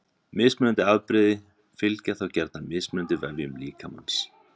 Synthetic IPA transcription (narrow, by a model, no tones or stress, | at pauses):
mɪːsmnʏnt̪ɪaðpɾɪðɪ | fɪlcaθawcɛɾt̪namɪːsmʏnʏnt̪ɪvɛvjʏmliːkʰama̰ns